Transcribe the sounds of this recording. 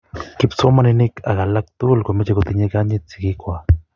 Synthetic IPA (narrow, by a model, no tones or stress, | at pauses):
kipsomanenɪkʰa̰ɣalak̚t̪ulkamet͡ʃekot̪iɲekaɲit͡sikikʷa